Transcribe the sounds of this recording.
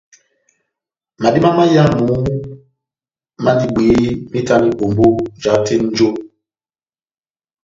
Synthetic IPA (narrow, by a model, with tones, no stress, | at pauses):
ma˨di˦ma˦ma˦ja˦nu˨˦ | ma˦ndi˦ɓi˨˦mi˦ta˦ni˦bo˨mbo˦d͡ʒa˨˦te˦n̩˦d͡ʒo˦